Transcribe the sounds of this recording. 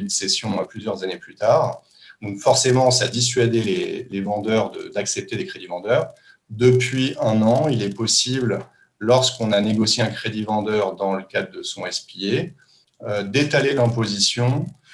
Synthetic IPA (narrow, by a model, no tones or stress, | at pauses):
d̪əsesjɔ̃aplyzjœʁzaneplyt̪aːʁ | d̪ɔ̃kfɔʁsemɑ̃sad̪is̬ɥad̪elelevɑ̃d̪œʁd̪ə̰d̪aksɛp̚t̪ed̪ekχed̪ivɑ̃d̪œːʁ | d̪əpɥiɛ̃nɑ̃ilɛpɔsibl | lɔʁskɔ̃naneɡɔsjeɛ̃kχed̪ivɑ̃d̪œʁd̪ɑ̃ləkad̪ʁd̪əsɔ̃ɛspije | ød̪et̪alelɛ̃pozisjɔ̃